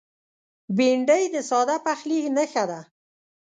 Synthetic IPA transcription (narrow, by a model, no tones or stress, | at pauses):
biɳɖəjd̪əsɑd̪apaxliknəxad̪a